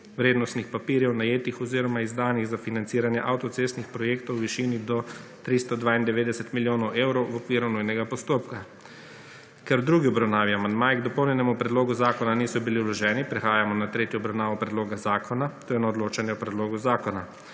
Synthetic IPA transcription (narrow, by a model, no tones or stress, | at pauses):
ʋɾeːd̪nɔst̪nixpapiːɾjɛwnajeːt̪ixɔziːɾɔmaizd̪aːniɣzafinant̪siːɾanjɛʔawt̪ɔt̪sest̪nixpɾɔjeːkt̪ɔwʋiʃiːnid̪ɔt̪ɾist̪ɔd̪ʋaːind̪ɛʋeːd̪ɛsɛt̪miljoːnɔwʔeːwɾɔwwɔkʋiːɾunujnɛɡapɔst̪oːpka | kɛɾd̪ɾuɡiɔbɾawnaːʋiamand̪maːjɛɡd̪ɔpɔwnjɛnɛmupɾɛd̪loːɡuzaːkɔnaniːsɔbiliwlɔʒɛːnipɾɛxaːjamɔnat̪ɾeːt̪jɔɔbɾawnaːʋɔpɾɛd̪loːɡazaːkɔnat̪oːjɛnaɔd̪loːt͡ʃanjɛɔpɾɛd̪loːɡuzaːkɔna